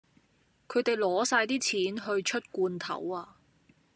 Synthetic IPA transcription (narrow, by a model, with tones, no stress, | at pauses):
kʰɵ˨˧ɥt̪e˨jlɔː˨˥saː˧jt̪iː˥t͡sʰiː˨˥nɦɵ˧ɥt͡ʃʰɵ˥t̚kuː˧nt̪ʰɐ̰˨˩˥waː˧